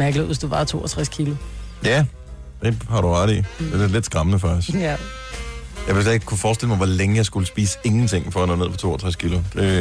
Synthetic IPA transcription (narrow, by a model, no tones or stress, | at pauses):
mæɡ̥ləð̩ˠsd̥uʋɑ̈t͡sʰo̝̰ːɐt͡sʰʁaskʰilʊjæ | d̥e̝hɑ̈ɾuʁɑɾ̥id̥e̥ele̝d̥sɡ̥ʁɑ̈mənəfɶɐs | jɑ̈ʋe̝sɛeɡ̥kʰːufɒːsd̥eləmɑʋɒleŋəjɑɪsɡ̥uləsb̥ḭːsə̥e̝ŋn̩t͡sʰe̝ŋ̰fɒ̽ɐnɔ̽neð̰ˠpʰɒt͡sʰo̝̰ːɐt͡sʰʁaskʰilʊd̥e̝